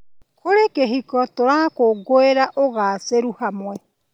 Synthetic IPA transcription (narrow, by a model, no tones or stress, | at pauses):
kʰoɾekeɦikɔtoɾakoɡoeɾaʔoɣaːseɾuhamwɛ